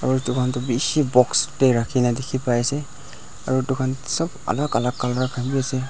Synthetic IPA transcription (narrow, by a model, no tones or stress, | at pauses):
aɾutukʰantɔbisibɔksteɾakʰinadikʰipajase | aɾutukʰansɔba̰lakalakːalɾakʰajbijase